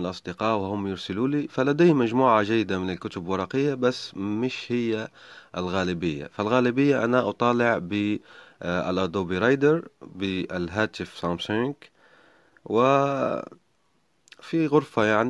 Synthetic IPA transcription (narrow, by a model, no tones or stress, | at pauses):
lʔɑsˤd̪əqɑːʔwhʊmːjʊɾsɪluːlifalad̪æjmaʒmuːʕaʒajːɪd̪amɪnɪlkʊt̪ʊblwɑɾˤɑqɪjːabasːmɪʃhɪjːaʔɪlɣæːlɪbɪjːa̰fɪlɣæːlɪbɪjːaʔanaʔɑt̪ˤɑːlɪʕbi | ɪ̰lʔɑd̪oːbiɾɑjd̪əɾbiɪlɦæːt̪ɪfsˤɑmsʊŋk | wɪ | fiɣʊɾfajaʕni